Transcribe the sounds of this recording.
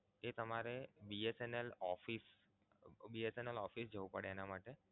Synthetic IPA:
et̪əmaɾebiesenelɔfis | biesenelɔfisd͡ʒəʋupəɽeenamaʈe

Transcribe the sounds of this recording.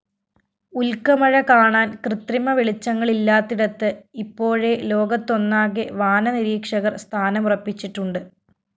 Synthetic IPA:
ulkɐmɐɻɐkaːɳaːnkrɨt̪rimɐʋeɭit͡ɕːɐŋːɐɭilːaːt̪ːiɽɐt̪ːɨipːo̞ːɻe̞lo̞ːɡɐt̪ːo̞nːaːɣeʋaːnɐniɾiːkʂɐɣɐrst̪ʰaːnɐmurɐpːit͡ɕːiʈːuɳɖɨ

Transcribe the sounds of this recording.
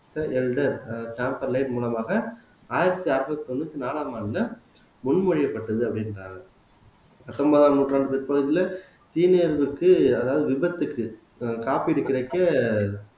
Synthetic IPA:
t̪ɐʔɛlɖɐɾt͡ʃaːmpɐɾlɐɪʈmuːlɐmaːɣɐ | aːjɪɾɐt̪ːiɐɾɯbɐt̪ːip̪ɔnːuːt̪ːinaːlaːmaːnlɐ | mʊɳmɔɻɪjɐpːɐʈːɐðɯɐpːɐɽɪndra̰ːŋɡɐ | ɐt̪ːɔmbɐðaːnuːʈːraːɳɖɯpɛɾpɐɣɐðɪlɐ | t̪iːneːɾʋɯkːɯɐðaːʋɐðɯʋɪbɐt̪ːɯkːɯ | kaːpiːɽɯkɪɽɐɪkːɐ

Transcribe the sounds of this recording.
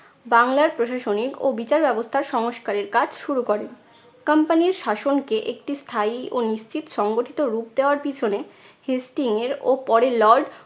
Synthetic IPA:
baŋlaɾpɾoʃaʃoniko̰bit͡ɕaɾbɛbost̪ʰaɾʃɔŋoʃkaɾeɾkad͡ʑʰʃuɾukɔɾen | kampaniɾʃaʃonkeʔek̚ʈist̪ʰaioniʃt͡ɕit̪ʃɔŋɡoʈʰit̪oɾup̚d̪eoaɾpit͡ɕʰone | hisʈiŋeɾopɔɾelɔɾɖ

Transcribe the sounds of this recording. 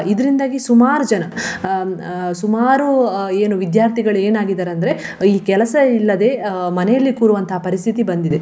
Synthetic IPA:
id̪ɐɾind̪aːɡisumaːɾud͡ʒɐnɐ | sumaːɾueːnuʋid̪jaːɾt̪ʰiɡɐɭe̞ːnaːɡid̪aːɾɐnd̪ɐɾe̞ | iːkɛlɐsɐilːɐd̪e̞ːmɐnɛjɐlːikuːɾuʋɐnt̪ɐɦapɐɾist̪ʰit̪ibɐnd̪id̪e̞

